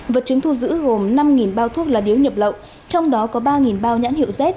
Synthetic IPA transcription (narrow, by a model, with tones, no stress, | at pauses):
və˨˩t̚t͡ɕɨ˨˦əŋt̪ʰu˧zɨ̰˧˥ɣo˨˩mna˧mŋi˨˩nɓaː˧wt̪ʰu˦˥ək̚laː˨˩ɗi˨˦əwɲə˨˩p̚lə̰˧˨w | t͡ɕɔ˧wŋ͡mɗɔ˨˦kɔ˨˦ɓaː˧ŋi˨˩nɓaː˧wɲa̰ː˧˥nhḭ˧˨wzɛ˦˥t̚